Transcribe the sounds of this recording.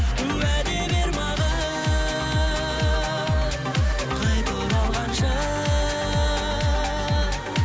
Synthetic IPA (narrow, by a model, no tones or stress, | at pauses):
ʉwæbebeɾmɑd̪ə | qʰɑjt̪əbolˠʁɑnʃə